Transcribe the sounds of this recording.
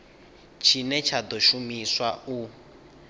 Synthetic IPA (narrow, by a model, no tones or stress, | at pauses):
t͡ʃʰinɛt͡ʃʰad̪ɔʃumiswau